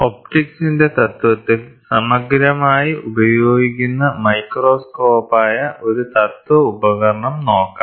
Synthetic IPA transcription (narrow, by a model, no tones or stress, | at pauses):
op̚ʈiksinde̞t̪ɐt̪wɐt̪ːilsɐmɐɡɾɐmaːjiʔubɐjoːɡikʲːunːɐmɐjkro̞ːsko̞ːpaːjɐʔo̞ɾut̪ɐt̪wɐubɐɡɐrɐɳɐmno̞ːkːa